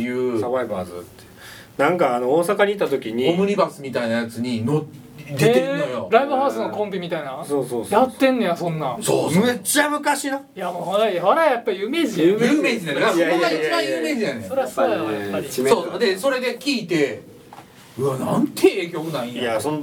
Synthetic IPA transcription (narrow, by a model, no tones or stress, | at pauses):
ejɯ̟ːaβaikɯa̰zɨ̰t̪ːeɯ | nãŋkaːno̞oːsakaɲʲit̪ːat̪o̞kʲiɲ̟iomɯɾʲibasɨmʲit̪ainajat͡sɨɲ̟ino | d̪eeɯnːojoɾaibɯ̟haɯ̟sɨno̞kõ̞mbʲimʲit̪ainaso̞ːsoːsjat̪ːẽ̞nːo̞jasõ̞nːasomet͡ɕːamɯ̟kaɕinajamoɦaɾaihaɾajapːaijɯ̟me̞ːʑiɯmeːd͡ʑinaneaiaaãjɯːme̞ːd͡ʑijaneso̞ɾeβasaaβajapːaɾiimesoːd̪e̞so̞ɾe̞d̪ekʲiːt̪e̞ | ɯ̟anãnt̪ʰeeːkʲo̞ːkɯnaĩjason